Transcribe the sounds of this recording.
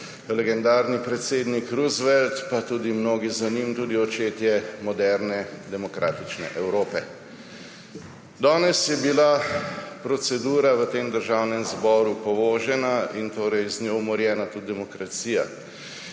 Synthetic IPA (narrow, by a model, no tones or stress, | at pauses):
lɛɡɛnd̪aːɾnipɾɛt̪seːd̪nikɾuzʋɛlt̪pat̪uːd̪imnoːɡizanimt̪uːd̪iɔt͡ʃeːt̪jɛmɔd̪ɛɾnɛd̪ɛmɔkɾʔa̰ːt̪it͡ʃnɛ̰ʔɛwɾoːpɛ | d̪ɔːnɛsjɛbilapɾɔsɛd̪uːɾaʋət̪eːmd̪əɾʒaːwnɛmzbɔːɾupɔʋoːʒɛnaint̪oːɾɛjznʲjowmɔɾjɛːnat̪ud̪̚d̪ɛmɔkɾat̪siːja̰